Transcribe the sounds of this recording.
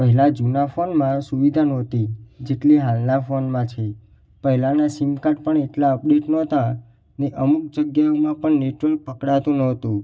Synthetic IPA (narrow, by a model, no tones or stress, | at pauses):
pəɦɛlad͡ʒunafonmãsuʋid̪ʱanɔt̪id͡ʒeʈliɦalnafonmãt͡ʃʰe | pəɦɛlanasimkaʈpəɳeʈlaəp̚ɖeʈnɔt̪a | neʔəmuk̚d͡ʒəɡjaomãpəɳneʈʋəlk̚pəkɽat̪ũnɔt̪ũ